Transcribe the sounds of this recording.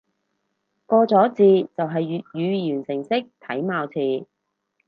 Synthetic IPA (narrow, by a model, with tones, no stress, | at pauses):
kɔː˧t͡sɔː˨˥t͡siː˨˧t͡sɐ˨wɦɐ˨j̚jyː˨˧jyː˨˩nsɪ˨˩ŋsɪ˥k̚t̪ʰɐ˨˥jmaː˨˧wt͡sʰiː˨˧